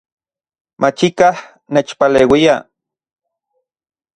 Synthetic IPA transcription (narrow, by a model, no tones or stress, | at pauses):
mʔat͡ʃikah | neːt͡ʃpaleːwia